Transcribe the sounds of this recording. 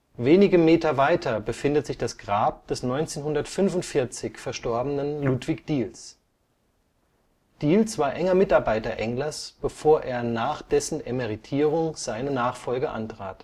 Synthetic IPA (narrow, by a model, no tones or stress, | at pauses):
veːnɪɡəmeːtɐvaɪtɐbəfɪndətz̥ɪçd̥asɡ̥ʁaːp̚d̥ɛsnɔʏnt͡seːnɦʊndɐtfʏnfʊntfɪɐt͡sɪçfɛɐʃtɔɐbənənluːtv̥ɪçd̥iːls | d̥iːlsv̥aːɐʔɛŋɐmɪtaɐbaɪtɐʔɛŋlɐsb̥əfoːɐʔeːɐnaːχd̥ɛsn̩eməʁitʰiːʁʊŋz̥aɪnənaːχfɔlɡəʔa̰ntʁ̥a̰ːt